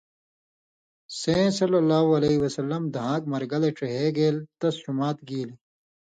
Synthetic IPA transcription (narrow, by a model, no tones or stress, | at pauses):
sẽːsɐlɐlːaːɦuɐleiwɐsɐlːɐmd̪ɐɦãːkmɐɾɡɐleʈ͡ʂeɦeːɡeːlt̪ɐst͡ɕumaːt̪̚ɡiːli